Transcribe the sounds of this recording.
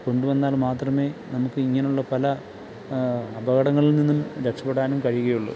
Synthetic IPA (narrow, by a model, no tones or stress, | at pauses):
ko̞ɳɖuʋɐnːaːlmaːt̪rɐme̞ːnɐmukːɨiŋːɐneuɭːɐpɐlɐ | ɐbɐɣɐɽɐŋːɐɭilninːumɾe̞kʂɐpːeɽaːnumkɐɻijuɣɐjuɭːṵ